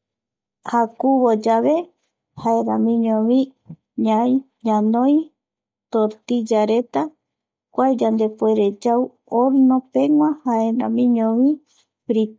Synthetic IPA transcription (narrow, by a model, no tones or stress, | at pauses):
hakuβod͡ʒaβe̞ | haeɾãmĩɲõβĩ | ɲaj | ɲãnõj | t̪oɾt̪id͡ʒaɾet̪a | kʷajd͡ʒand̪e̞poeɾe̞d͡ʒaw | oɾnõpeŋʷãhaeɾã̰mĩɲõβĩ | pɾi